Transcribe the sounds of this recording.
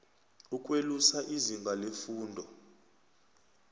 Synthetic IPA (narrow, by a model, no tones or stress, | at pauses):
uk̬ʼwelusaʔiziŋɡʱalefuːndʱɔ